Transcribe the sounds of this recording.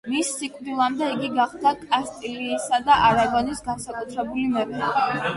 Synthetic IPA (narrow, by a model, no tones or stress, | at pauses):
misːikʼvd̪ilˠamd̪ɛiɡiɡaχd̪akʼast̪ʼiliːsad̪aʔaɾaɡɔnisɡansakʼut̪ʰɾɛbulimɛɾʰɛbi